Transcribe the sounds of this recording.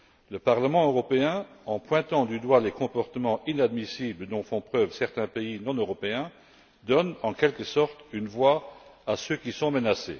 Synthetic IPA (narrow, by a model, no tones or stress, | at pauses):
ləpaʁləmɑ̃øʁɔpeɛ̃ɑ̃pwɛ̃t̪ɑ̃d̪yd̪walekɔ̃pɔʁt̪əmɑ̃ʔinad̪misibləd̪ɔ̃fɔ̃pχœvsɛʁt̪ɛ̃peinɔ̃nøʁɔpeɛ̃ | d̪ɔnɑ̃kɛlkəsɔʁt̪ynvwaasøkisɔ̃mənasḛ